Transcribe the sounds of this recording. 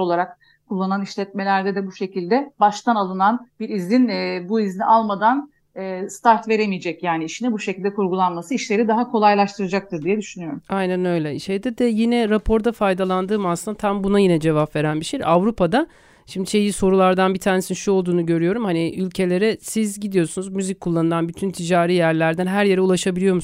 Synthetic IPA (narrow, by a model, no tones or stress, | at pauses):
olˠaɾak̚ | kʰulˠːananiʃlʲɛt̪̚me̞lʲæɾd̪ɛd̪ɛbuʃe̞cilʲd̪ɛbaʃt̪ʰanalˠɯnanbiɾizʲinbuizlʲiʔalˠmad̪an | ɛst̪ʰaɾt̪ve̞ɾemijed͡ʒɛcjaːniiʃinibuʃecʰilʲd̪ɛkʰuɾɡulˠanmasɯiʃlʲe̞ɾid̪aɦakʰo̞lˠajlˠaʃt̪ʰɯɾad͡ʒak̚t̪ʰɯɾd̪ijɛd̪yʃynyjo̞ɾumajnænø̞jlʲɛʃejd̪iɾd̪ɛjinɛɾapʰo̞ɾd̪afajd̪alˠand̪ɯːmasɯnd̪at̪ʰambunajinɛd͡ʒe̞vapve̞ɾænbiʃejavɾupʰad̪a | ʃimd̪iʃe̞jiso̞ɾulˠaɾd̪anbit̪ʰaːnesinʃuo̞lˠd̪uːnuɟø̞ɾyjo̞ɾumhaniylʲcʰe̞lʲe̞ɾɛsizɟid̪ijo̞ɾsunuzmyzic̚kʰːulˠːanɯlˠanbyt̪ʰynt̪ʰid͡ʒaːɾiːjæɾlʲæɾd̪ænɦæɾje̞ɾɛulˠaʃabilʲijo̞ɾmu